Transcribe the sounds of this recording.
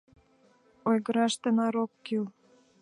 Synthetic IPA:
ojɣə̆ɾɑʃt̪enɑɾokːil

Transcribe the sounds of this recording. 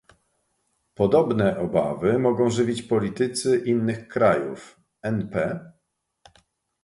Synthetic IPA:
pɔd̪ɔbnɛʔɔba̰vɘmɔɡɔ̃w̃ʐɘvʲit͡ɕpɔlʲit̪ɘt̪sɘʔinːɘxkɾajṵf | ɛnpɛ

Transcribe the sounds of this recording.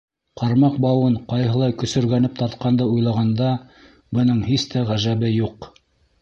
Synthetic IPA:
qʰɑɾmɑqbɑwɤɴqɑjɦɤ̆lˠɑjkɵ̆sɵ̆ɾɡænɘp̚t̪ɑɾt̪̚qɑnd̪ɤujlˠɑʁɑnd̪ɑ | bɤ̆nɤɴhist̪ʰæʁæʒæβɘjuq

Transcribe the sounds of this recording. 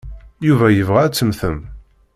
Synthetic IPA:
juvæjəvʁææt͡sːəmθəm

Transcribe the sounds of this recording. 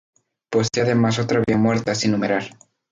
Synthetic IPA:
po̞seðemasot̪ɾaβiamwe̞ɾt̪asinːũmeɾal

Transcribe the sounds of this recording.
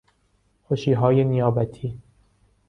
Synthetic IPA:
xoʃiːɦɒːjenijɒːbæt̪ʰiː

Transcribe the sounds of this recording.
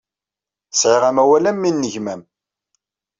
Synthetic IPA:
sʕɪʁæmæwælæmːinːəʝmæm

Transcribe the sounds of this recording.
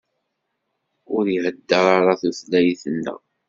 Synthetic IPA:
ʊɾihəd̪ːəɾˤɑɾˤɑθuθlæjiθənːə̰ʁ

